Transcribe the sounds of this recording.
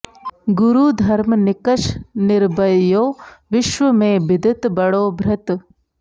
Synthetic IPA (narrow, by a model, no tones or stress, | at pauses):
ɡʊɾuːd̪ʱɐɾmnɪkəʃnɪɾbəjjoːʋɪʃʋəmẽːbɪd̪ɪt̪bɐɽoːbʱɾɐt̪